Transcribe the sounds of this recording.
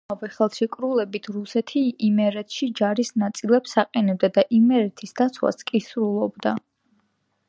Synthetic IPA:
avɛχɛlˠʃɛkʼɾulɛbit̪ʰɾusɛt̪ʰiimɛɾɛt̪ʰʃid͡ʒaɾisnat̪sʼilɛpsaqʼɛnɛb̚d̪ad̪aʔimɛɾɛt̪ʰisd̪at̪sʰwa̰skʼisɾulˠɔbd̪a

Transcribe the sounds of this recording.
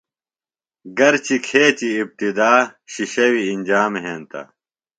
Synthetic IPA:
ɡɐɾt͡ɕikʰeːt͡ɕiːp̚t̪id̪aːɕiɕɐwiːnd͡ʑaːmɦeːnt̪ɐ̰

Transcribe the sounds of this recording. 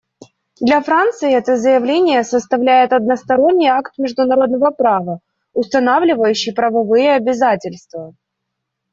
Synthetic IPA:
d̪lʲɐfɾant̪sɨɪɛt̪əzəjɪvlʲenʲɪjəsəst̪ɐvlʲæjɪt̪ɐd̪̚nəst̪ɐɾo̞nʲːɪjakt̪mʲɪʐd̪ʊnɐɾo̞d̪̚nəvəpɾavə | ʊst̪ɐnavlʲɪvəjʉɕːɪjpɾəvɐvɨjəɐbʲɪzatʲɪlʲst̪və

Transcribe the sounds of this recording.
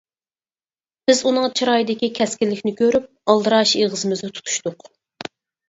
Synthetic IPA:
b̥ɪzunɨŋt͡ʃʰiɾɑjid̪ɪkʲikʲʰɛskʲɪlːɪkʲnɪkʲʰøɾyp̚ɑlˠd̪ɨɾɑʃeʁəzɨmɪznɨt̪ʰu̥t̪ʰu̥ʃt̪ʊq

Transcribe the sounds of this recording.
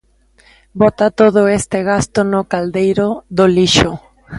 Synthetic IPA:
bɔt̪at̪oð̞ʊest̪eɣ̞ast̪onokald̪ejɾoðoliʃo

